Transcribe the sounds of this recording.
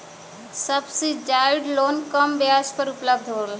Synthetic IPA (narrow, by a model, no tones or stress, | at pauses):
sɐbsid͡ʒaːɪɖloːnkɐmbijaːspəɾʊpləbd̪ʱɦoːl